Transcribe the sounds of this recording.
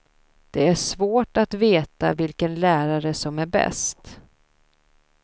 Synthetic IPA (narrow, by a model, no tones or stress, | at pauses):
d̪̥ɛæʂvoːʈat̪veːt̪a̰vɪlkənlæːɾaɾəsɔmæɾbɛ̰st̪